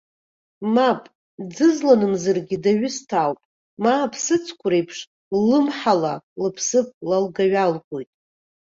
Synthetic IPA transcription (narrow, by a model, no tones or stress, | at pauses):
mapʼ | d͡zɨzlanɨmzɨrɡʲɪdaɥʏstʰawpʼ | mapʰsɨt͡sʰkʷʰʊɾejpʰʂ | lɨmħalalɨpʰsɨpʼlalɡaɥalɡʷojtʼ